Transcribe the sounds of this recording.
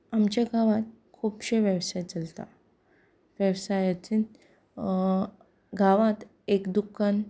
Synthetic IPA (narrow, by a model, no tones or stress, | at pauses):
amt͡ɕjaɡʱaʋat̪̚ | kʰuːpɕeʋjəʋsajt͡səlt̪a̰ | ʋjəʋsajat͡ɕin | ɡʱaʋat̪ | ekd̪ukːan